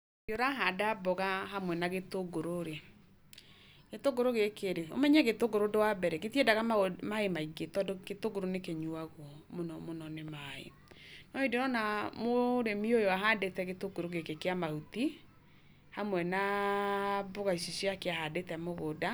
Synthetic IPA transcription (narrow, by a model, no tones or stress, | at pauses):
joɾaɦadabɔɣaɦamwɛnaɣetoɡoɾoɾe | ɣetoɡoɾoɣekeɾeo̰mɛɲɛɣetoɡoɾodowabɛɾɛɣetiedaɣamaemaiɡetɔdoɡetoɡoɾonekeɲuaɣw | monɔmonɔnemaḛ | nɔedeɾɔnamoɾemiojoaɦadetɛɣetoɡoɾoɣekekeamahuti | hamwɛna | bɔɣaisosiakeahadetɛmoɣoda